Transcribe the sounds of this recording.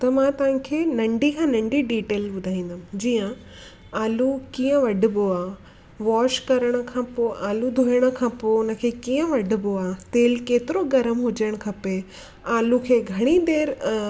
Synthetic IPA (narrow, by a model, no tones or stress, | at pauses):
t̪ɐmãːt̪ɐʋɪ̃kʰeːnɐ̃ɳɖikʰãːnɐ̃ɳɖiɖiːʈeːlɓʊd̪ʱaːĩːnd̪əm̃d͡ʑiːjə̃ | aːlukiːə̃ʋɐɖʱɪboaː | ʋɔːʃkɐɾəɽ̃ə̆kʰãpoːʔaːlud̪ʱoːjəɽ̃ə̆kʰãːpoʊnə̆kʰeːkiːə̃ʋɐɖʱɪ̆boaːt̪eːlkeːt̪ɪɾoɡɐɾəmɦʊd͡ʑəɽ̃kʰɐpe | aːlukʰeːɡʱɐɽ̃id̪eːɾ